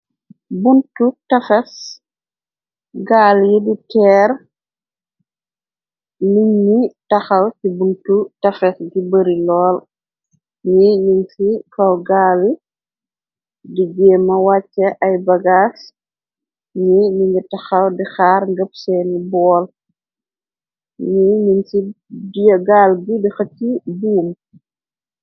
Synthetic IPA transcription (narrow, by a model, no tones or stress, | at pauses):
buntutɐfɛs | ɡaːljiditɛːɾ | niɲːitɐxɐwsibuntutɐfɛsɡibəɾilɔːl | ɲiɲiŋsikɐwɡaːli | diɟɛːmɐwat͡ʃːɐʔɐjbɐɡaːs | ɲiɲiɲɡitɐxɐwdixaːɾŋɡəp̚sɛːnibɔːl | ɲiɲinsi | dijɐɡaːlɡidixɐtːibuːm